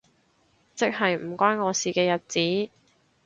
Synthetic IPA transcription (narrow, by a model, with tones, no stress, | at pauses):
t͡sɪ˥k̚ɦɐ˨jm̩˨˩kʷaː˥nŋɔː˨˧siː˨kɛː˧jɐ˨t̚t͡siː˨˥